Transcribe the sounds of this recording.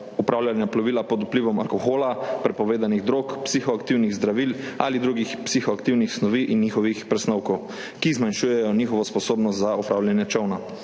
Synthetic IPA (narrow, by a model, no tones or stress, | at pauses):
upɾʔaːwljanjaplɔʋilapɔd̪upliʋɔma̰lkɔxoːlapɾɛpɔʋeːd̪aniɣd̪ɾokpsixɔakt̪iwniɣzd̪ɾaʋila̰lid̪ɾuɡixpsixɔakt̪iwnixsnɔʋiːʔinːixɔʋixpɾɛsnɔwkɔw | kizmanʃuːjɛjɔnixɔʋɔspɔsoːbnɔst̪zaupɾawlʲjɛnjɛt͡ʃɔwna